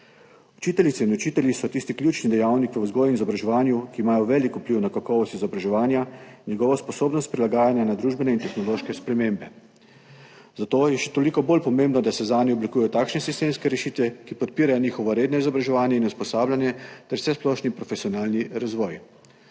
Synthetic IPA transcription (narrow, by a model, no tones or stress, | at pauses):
ut͡ʃiːt̪ɛlʲit̪sɛinɔt͡ʃiːt̪ɛljisɔt̪ist̪iklʲjut͡ʃnid̪ɛjawnikʋəwzɡɔːjinizɔbɾaʒɛʋaːnjukiːmaːjɔʋɛːlikupliwnakakɔːʋɔst̪izɔbɾaʒɛʋaːnjanʲjɛɡɔːʋɔspɔsoːbnɔst̪̚pɾilaɡaːjanjanad̪ɾuːʒbɛnɛint̪ɛxnɔloʃkɛspɾɛmembɛ | zat̪oːjɛʃɛ̥t̪olikɔbolpɔmembnɔd̪asɛzaːniɔblikujɛjɔt̪aːkʃnɛsist̪emskɛɾɛʃiːt̪ʋɛkipɔt̪̚piːɾajɔniːxɔʋɔɾeːd̪nɔizɔbɾaʒɛʋaːnjɛinuspɔsaːbljanjɛt̪ɛɾwsɛsplɔʃnipɾɔfesiɔnaːlniɾazʋɔːj